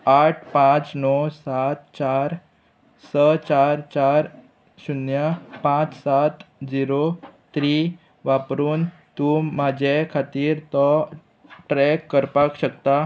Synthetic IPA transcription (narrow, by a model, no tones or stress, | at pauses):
aʈ̚ʰpãt͡snɔsat̪̚t͡ɕaɾ | sət͡ɕaɾt͡ɕaɾ | ɕunjəpãt͡ssat̪d͡ʑiɾot̪ɾi | ʋapɾuːn | t̪umad͡ʑʱekʰat̪iːɾt̪ɔ | ʈɾɛkːəɾpakɕəkt̪a